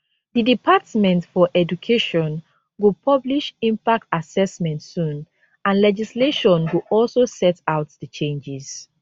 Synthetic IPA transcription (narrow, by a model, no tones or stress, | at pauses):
ðidipʰatmɛ̃ntfɔʔɛd͡ʒukʰeʃɔ̃n | ɡupʰʌbliʃĩmpak̚tasɛsmɛ̃ntsũn | ãnlɛd͡ʒisleʃɔ̃nɡuʔɔlsosɛtaʊtðət͡ʃẽnd͡ʒiz̥